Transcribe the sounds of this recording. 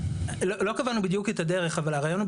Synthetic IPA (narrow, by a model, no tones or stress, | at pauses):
lolo̞kavanubid̪juketadeʁe̞χavalaʁaːjo̞nu